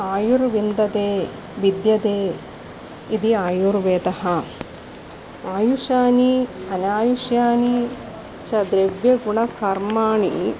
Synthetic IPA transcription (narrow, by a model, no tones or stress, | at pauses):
aːjuɾʋind̪ɐd̪eː | ʋid̪jɐd̪eː | id̪iaːjuɾʋeːt̪ɐhɐ | aːjuʃaːniɐnaːjuʂjaːni | t͡ʃɐd̪ɾeʋjɐɡuɳɐkɐɾmaːɳḭ